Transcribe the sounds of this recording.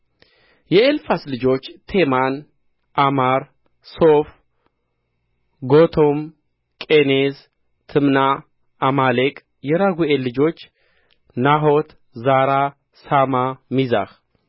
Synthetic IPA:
jɛelfaslɨd͡ʒo̞t͡ʃːt̪ʰeman | ʔamaɾ | sof | ɡot̪ʰom | kʼenez | t̪ʰɨmnaː | malekʼ | jɛɾaɡuelːɨd͡ʒo̞t͡ʃː | naɦot̪ | zaɾa | samamiza̰x

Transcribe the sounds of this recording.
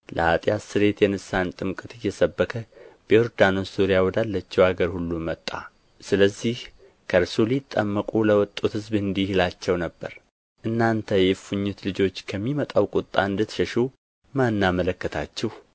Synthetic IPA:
lʔə̰at̪ʼjasɨɾe̞t̪jɛnɨsant̪ʼɨmkʼət̪ɪjːɛsəbːəkʰəb̥ɔɾd̪anossoɾijawɔd̪alːət͡ʃːɛwaɡəɾhulːumət̪ʼːa̰ | sɨləzːih | kʰəɾsulit̪ʼːəmːəkʼuləwɔt̪ʼːut̪hɨzbɨnd̪ihilat͡ʃːɛwnəbːəɾ | ʔɨnːant̪ʰəjɛfuɲːut̪lɨd͡ʒo̞t͡ʃːkʰəmːimət̪ʼawkʼʊt̪ʼːa̰ɨnd̪ɨt̪ʃəʃu | manːamələkːət̪ʰat͡ʃːɛh

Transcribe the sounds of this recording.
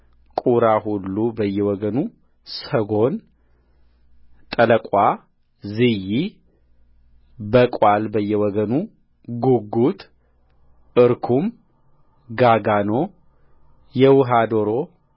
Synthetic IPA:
kʼuɾaɦulːubəjːɛwɔɡənu | səɡo̞n | t̪ʼələkʼa | zɨji | bəkʼalbəjːɛwɔɡənu | ɡuɡut̪ʼ | ɨɾkʰum | ɡaɡano̞ | jɛwʊɦad̪o̞ɾo̞

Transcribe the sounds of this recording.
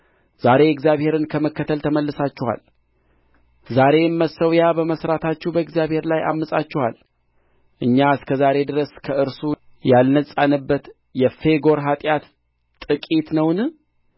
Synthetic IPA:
z̥aɾe̞ɛɡzjaβhe̞ɾɨnkʰəməkːət̪ʰəlt̪ʰəməlːɨsat͡ʃːɛwa̰l | zaɾe̞mːəsəwjabəməsɾat̪ʰat͡ʃːɛhbəɡzjaβhe̞ɾlaja̰mːəsʼat͡ʃːɛwa̰l | ʔɨɲːaɨskʰəzaɾe̞d̪ɨɾəskʰəɨɾsujalnəsʼanɨbːət̪ | jɛfe̞ɡo̞ɾɦat̪ʼjat̪ | t̪ʼɨkʼit̪nəwnɨ

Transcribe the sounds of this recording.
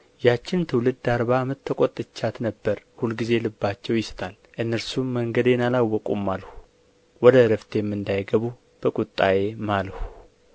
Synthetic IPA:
jat͡ʃːɪnt̪ʰɨwlɨd̪d̪aɾβamɨt̪ʰːəkʷʼot̪ʼːɨt͡ʃːat̪nəbːəɾhulɡize̞lɨbːat͡ʃːɛwjɪst̪ʰal | ʔɨnːəɾsumːəŋɡəd̪jɛnalawːɔkʼṵmːalhu̥ | wɔd̪əɾəft̪ʰejɛmːɨnd̪ajɡəβu | b̥əkʼut̪ʼːaje̞malhu

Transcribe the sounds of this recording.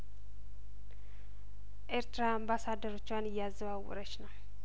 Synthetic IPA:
ʔeɾt̪ɾaambasad̪əɾot͡ʃːwanɪjazəβawʊ̰ɾət͡ʃnəw

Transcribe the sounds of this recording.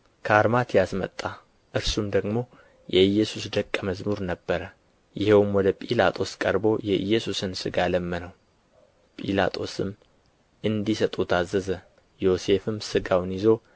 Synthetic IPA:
kʰaɾmat̪ʰijasmə̰t̪ʼːa | ʔɨɾsumd̪əɡmo̞ | jɛɨjːɛsusd̪əkʼːəməzmuɾnəbːəɾə | jɪhewmwɔd̪əpʼilat̪ʼo̞skʼəɾbo̞jɛʔɨ̰jːɛsusɨnsɨɡaləmːənəw | pʼḭla̰t̪ʼo̞sɨm | ɨnd̪isət̪ʼut̪ʰazːəzə | jo̞se̞fɨmsɨɡawnjɪzo̞

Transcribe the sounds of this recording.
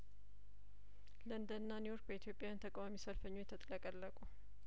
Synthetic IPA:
lənd̪ənːanejo̞ɾk̚bəit̪ijo̞pʼːjajant̪ʰəkʼawamisəlfəɲːojɛt̪ʰət̪ʼləkʼəlːəkʼu

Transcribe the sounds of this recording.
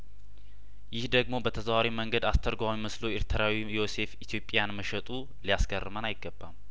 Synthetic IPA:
jɪhd̪əɡmo̞bət̪ʰəzwaɾiməŋɡəd̪ast̪ʰəɾɡʷawiməslo̞ɪɾt̪ʰəɾawijo̞se̞fit̪ʰjo̞pʼːjanməʃət̪ʼu | lijaskʰərːɨmənajɪɡːəbːam

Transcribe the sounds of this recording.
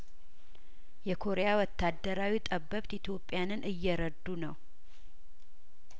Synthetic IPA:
jɛkʰo̞ɾejawɔt̪ːad̪ːəɾawit̪ʼəbːəβt̪it̪ʰjo̞pʼːjanɨnʔɨjːɛɾəd̪ːunəw

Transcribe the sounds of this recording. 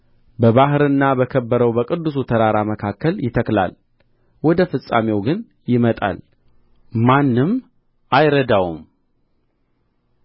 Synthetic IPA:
bəβaɦɨɾɨnːabəkʰəbːəɾəwbəkʼɨd̪ːus̬ut̪ʰəɾaɾaməkʰakːəljɪt̪ʰəkla̰l | wɔd̪əfɨsʼame̞wɡɨn | jɪmət̪ʼa̰l | manːɨm | ʔajɾəd̪awum

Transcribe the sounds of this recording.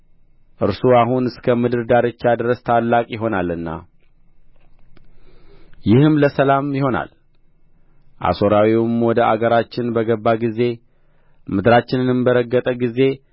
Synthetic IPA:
ʔɨɾsuaɦunɨskʰəmɨd̪ɨɾd̪aɾɨt͡ʃːad̪ɨɾəst̪ʰalːakʼjɪɦo̞nalɨnːa̰ | jɪhɨmləsəlamjɪho̞na̰l | ʔa̰so̞ɾawiwmwɔd̪əʔa̰ɡəɾat͡ʃːɪnbəɡəbːaɡize̞ | mɨd̪ɨɾat͡ʃːɪnɨnɨmbəɾəɡːət̪ʼəɡize̞

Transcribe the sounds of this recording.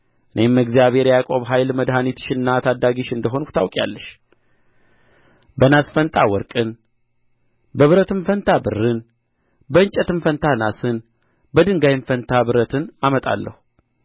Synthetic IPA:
ʔɨne̞mːəɡzijaβhe̞ɾjakʼo̞βɦajlməd̪ɦanit̪ʰɨ̥ʃɨnːat̪ʰad̪ːaɡiʃɨnd̪əɦo̞nku̥t̪ʰawkʼja̰lːəʃ | bənasfənt̪ʼawɔɾkʼɨn | bəβɨɾət̪ɨnfənt̪ʰabɨrːɨn | bəɨnt͡ʃʼɛt̪ɨnfənt̪ʰanasɨn | bəd̪ɨŋɡajnfənt̪ʰabɨɾət̪ʰɨnamət̪ʼa̰lːə̰hu

